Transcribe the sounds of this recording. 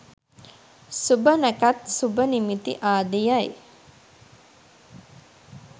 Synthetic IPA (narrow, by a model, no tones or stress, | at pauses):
subənəkat̪subənimit̪ḭʔaːd̪ijaj